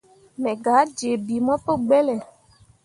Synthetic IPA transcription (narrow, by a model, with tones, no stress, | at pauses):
mɛ̃˨ɡa˨˦d͡ʒe˨bi˨mɔ̃˦pe˦ɡ͡bɛ˦lɛ˨